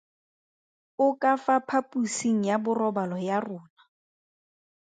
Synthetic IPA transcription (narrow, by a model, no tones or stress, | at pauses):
ʊkafapʰapʼusiŋ̩jabʊrɔbalɔjarʊːna